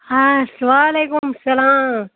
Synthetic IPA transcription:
hasɐʋaːleːkʊmsɐlaːm

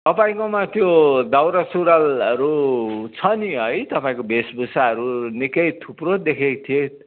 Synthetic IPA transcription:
t̪ʌpaĩkomat̪jod̪awɾasuɾalʌɾut͡sʰʌniɦʌjt̪ʌpaĩkobesbusaɦʌɾunikʌjt̪ʰuprod̪ekʰet̪ʰie

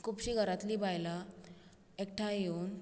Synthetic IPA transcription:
kʰupɕiːɡʱəɾat̪liːbajla | ek̚ʈʰajeun

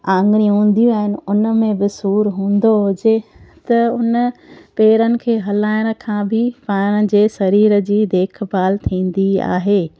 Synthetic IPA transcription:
ãːŋɡɽ̃ĩɦũːn̆d̪ijũaːɦɪnɪ̆ʊnə̆mẽbɪsuːɾɦũːnd̪oɦʊd͡ʑet̪ɐʊnəpeːɾənɪ̆kʰeːɦɐlaːɪɽ̃̆kʰãːbʱɪpaːɽ̃ə̆d͡ʑeːsɐɾiːɾə̆d͡ʑiːd̪eːkʰbaːlt̪ʰĩːn̆d̪ia̰ːɦeː

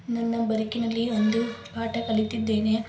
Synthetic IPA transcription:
nɐnːɐbɐɾɪkːɪnɐlːiʋɐnd̪ɯpaːʈːɐkɐɭɪt̪ːid̪ːeːne

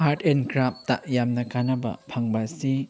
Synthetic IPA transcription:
aɾtʰenkɾap̚taʔjamnɐkanɐbɐ̰pʰaŋbɐsi

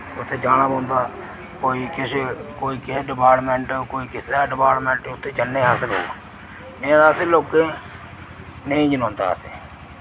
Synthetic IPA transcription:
ʊt̪ʰːeːd͡ʒaːɽ̃aːbõːnd̪aː | koːiːkɪseːkoːiːkɪseːɖɪpaːɾʈmɛ̃ːɳʈːkoːiːkɪsaːɖɪpaːɾʈmɛ̃ːɳʈʊt̪ʰːeːd͡ʒənːẽːɦaːsəlɦo̰ːɡ | ẽːd̪aːseloːkeː | nəĩːd͡ʒənõːnd̪a̰ːseː

